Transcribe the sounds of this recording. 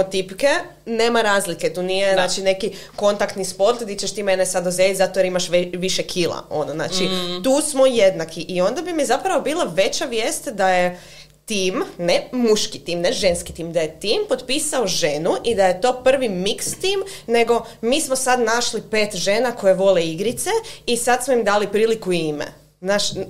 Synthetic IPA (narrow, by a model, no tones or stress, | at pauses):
ot̪ipke | neːmaɾaːzliket̪uːnijenaːt͡ʃine̞kiko̞nt̪akt̪nispo̞ɾt̪d̪it͡ʃeʃt̪imenesad̪ozelzat̪ojeɾimaʃʋʋiʃekʰilˠa̰o̞̰nozna̰t͡ʃit̪uːsmojed̪nakʰiʔio̞nd̪abimizapɾaʋobiːlˠaʋe̞t͡ɕaʋjest̪d̪aje | t̪iːmnemuʃkit̪imneʒe̞nskit̪imd̪ajet̪iːmpo̞t̪pisaoʒenuʔid̪aje̞t̪o̞ːpr̩ʋimikst̪iːmne̞ɡo̞miːsmosad̪naʃlipe̞ːt̪ʒenako̞jeʋo̞leiɡɾit̪se̞isad̪smoimd̪aːlipɾiːlikuimḛ | znaːʃ